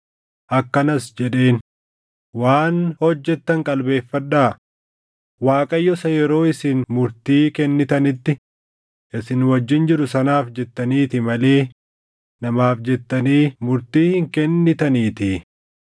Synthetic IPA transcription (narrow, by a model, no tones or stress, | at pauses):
ʔɐkːɐnɐsd͡ʒɛᶑe̞ːn | waːnhɔd͡ʒːɛt̪ːɐŋkʼɐlbe̞ːfːɐᶑaː | waːkʼɐjːɔsɐjɛɾo̞ːɪsɪnmʊɾt̪iːkɛnːɪt̪ɐnɪt̪ːɪ | ʔɪsɪnwɐd͡ʒːɪnd͡ʒɪɾʊsɐnaːfd͡ʒɛt̪ːɐniːt̪ɪmɐle̞ː | nɐmaːfd͡ʒɛt̪ːɐniːmʊɾt̪iːhɪŋkɛnːɪt̪ɐniːt̪ɪ